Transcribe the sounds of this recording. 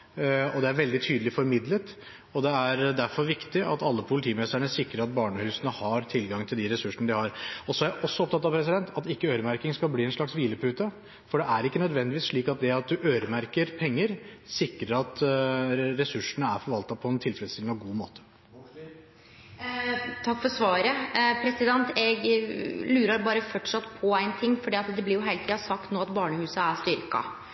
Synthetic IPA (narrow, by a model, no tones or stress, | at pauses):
ɔd̪ɛæɾʋɛld̪ɪt̪ʰyːd̪lɪfɔɾmɪd̪lət̪ | ɔd̪ɛæɾd̪æɾfɔɾʋɪkt̪ɪʔɑ̰t̪ɑlːəpʰʊlɪt̪ʰiːmɛst̪əɳəsɪkɾəɾɑt̪̚bɑːɳəhʉːsənəhɑɾt̪ʰɪlɡɑŋt̪ʰɪld̪ɪɾɛsʉʂəɳəd̪ɪhɑɾɔsɔæɾjæʔɔsːɔɔp̚t̪ɑt̪ːɑʋpʰɾɛs̬ɪd̪ɛnt̪ʰɑt̪ɪkːəøːɾəmæɾkɪŋskɑlbliːɛnʂɭɑksʋiːləpʰʉːt̪ə | fɔɖɛʔæɾɪkːənœd̪ʋɛnd̪ɪʋiːsʂɭiːkɑt̪̚d̪ɛɑt̪̚d̪ʉʔøːɾəmæɾkəɾpʰɛŋːəɾsɪkɾəɾɑt̪ | ɾɛsʉʂːəɳəæɾfɔɾʋɑlt̪ɑpʰɔɛnt̪ʰɪlfɛləst̪ʰɪlnɔɡuːmo̰ːt̪ə̥ | t̪ʰɑkːfɔɾsʋɑːɾəpʰɾɛsɪd̪ɛnt̪ɛɡlʉːɾɑɾbɑːɾəfɔʈʂɑt̪ːpʰɔæɪnt̪ʰɪŋːfɔɖiːɑt̪d̪ɛblɪɾjʊɦæɪlt̪ʰiːɑsɑkt̪noːɑt̪bɑːɳəhʉːsəæʂt̪ʏɾkɑ̰